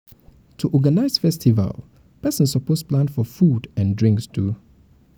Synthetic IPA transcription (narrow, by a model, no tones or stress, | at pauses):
tʰuʔɔɡanaɪz̥fɛstʰiva̰lˠ | pɛsə̃nsɔposplãnfɔfudãndɹɪ̃ŋkstʰu